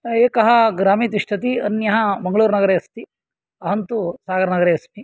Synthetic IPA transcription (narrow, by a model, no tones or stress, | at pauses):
eːkɐɦɐ̆ɡɾaːmiːt̪iʂʈʰɐt̪̬iɐnjɐɦɐ̆mɐŋɡɐɭuːɾnɐɡɐɾeːɐst̪i | ɐɦɐnt̪usaːɡɐɾɐnɐɡɐɾeːɐst̪i